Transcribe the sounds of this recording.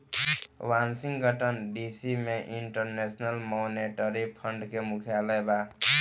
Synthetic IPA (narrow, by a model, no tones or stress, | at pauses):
wansiŋɡʱʌʈʌnɖisimeʔiɳʈʌrnesnʌlmoneʈʌɾipʰʌɳɖkemukʰjalʌjba